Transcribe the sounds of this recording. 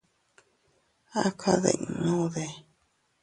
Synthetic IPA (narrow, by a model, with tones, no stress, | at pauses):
a˦kʰa˦˧ðḛ˧˨i˧˨nõ˦ðe˧˨